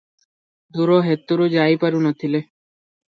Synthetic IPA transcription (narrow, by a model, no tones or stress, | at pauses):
d̪uɾoɦet̪ːuɾud͡ʑaipaɾunɔt̪ʰile